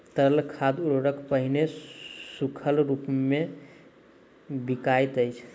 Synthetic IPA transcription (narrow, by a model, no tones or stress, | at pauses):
t̪əlkʰad̪uɾɾəkʰpəɦinesukʰəlɾupme | bikajt̪əjt͡ʃʰ